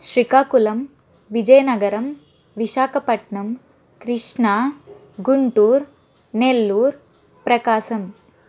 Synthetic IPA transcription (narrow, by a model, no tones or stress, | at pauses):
ʃɾikaːkulɐm | ʋid͡ʒɐjnɐɡɐɾɐm | ʋiʃaːkɐpɐʈɳɐm | kɾɪʂɳaː | ɡuɳʈuːɾ | nelːuːɾ | pɾɐkaːsɐm